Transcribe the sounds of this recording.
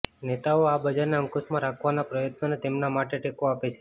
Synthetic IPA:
net̪aoabəd͡ʒaɾneə̃ŋkosmãɾakʰʋanapɾəjət̪nonet̪emnamaʈeʈekoapet͡ʃʰe̥

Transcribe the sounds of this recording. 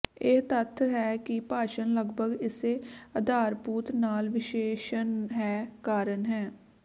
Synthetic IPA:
ɪt̪ət̪ʰɦɛːkɪpaːʃənləɡbʱəɡɪseːəd̪aːɾpuːt̪naːlʋɪʃeːʃənɦɛːkaːɾənɦɛː

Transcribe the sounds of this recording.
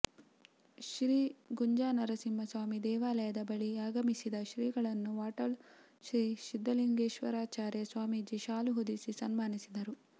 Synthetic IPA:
ʃɾiːɡuɲd͡ʒaːnɐɾɐsimːɐsʋaːmid̪ɛːʋaːlɐjɐd̪ɐbɐɭiaːɡɐmisid̪ɐʃɾiːɡɐɭɐnːuʋaːʈɐɭ | ʃɾiːʃid̪ːɐliŋɡeːʃʋɐɾaːt͡ʃaːɾjɐsʋaːmid͡ʒiʃaːluɦod̪isisɐnmaːnisid̪ɐɾu

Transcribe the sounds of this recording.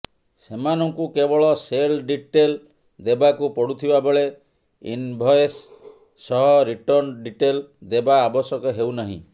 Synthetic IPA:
semanɔŋkukebɔɭɔselɖiʈel | d̪ebakupɔɽut̪ʰibabɔɭe | ḭnbʱɔjsː | ɔɦɔɾiʈɔɾnɖiʈeld̪ebaːbɔsɔkɔɦewnaɦḭ̃

